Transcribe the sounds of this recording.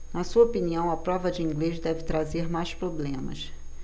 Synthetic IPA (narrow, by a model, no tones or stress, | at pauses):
nɐsuɐopiniɐ̃w̃ɐpɾɔvɐd͡ʒɪĩŋɡleʃd̪ɛvɪt̪ɾazeɾmajʃpɾoblẽmɐ̰ʃ